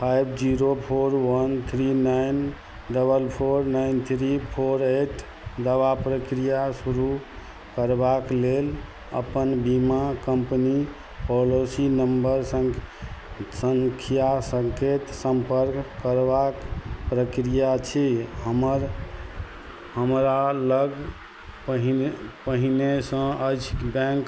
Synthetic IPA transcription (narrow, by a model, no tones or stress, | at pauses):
pʰajbd͡ʒiɾopʰoɾwənt̪ʰɾinajn | ɖəbəlpʰoɾnajnt̪ʰɾipʰoɾeʈ | d̪əʋapɾəkɾijasuɾu | kəɾbaklel | ə̰pənbimakəmpni | pɔlosinəmbəɾsə̃ŋ | səŋkʰijasəŋket̪səmpəɾkkːəɾbakpɾəkɾijat͡ʃʰiɦəməɾ | ɦəmɾaləɡ | pəɦpəɦinesə̃ət͡ʃʰbɛ̃ŋk